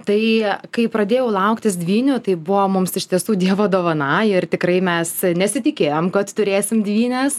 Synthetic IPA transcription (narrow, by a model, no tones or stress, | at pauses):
t̪ɐɪkɐɪpɾɐd̪ʲeːjɛʊlˠɐʊkt̪ʲɪsd̪ʲʋʲiːnʲʊt̪ɐɪbʊʋoːmʊmsɪʃt̪ʲiɛsuːd̪ʲiɛʋoːd̪oːʋɐnɑːjɪrt̪ʲɪkɾɐɪmʲɛsnʲɛsʲɪt̪ʲɪkʲeːjoːmkɐt̪t̪ʊɾʲeːsʲɪmd̪ʲʋʲiːnʲɛs